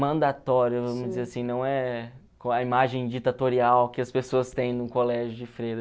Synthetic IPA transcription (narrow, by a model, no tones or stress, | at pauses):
mɐ̃nd̪at̪ɔɾjʊvɐ̃mʊzd͡ʒɪzeɾasĩnɐ̃w̃ɛ | kõɐimaʒẽj̃d͡ʒɪit̪at̪oɾiawkɪɐspesoɐst̪ẽj̃nʊ̃kolɛʒʊd͡ʒɪfɾejɾɐ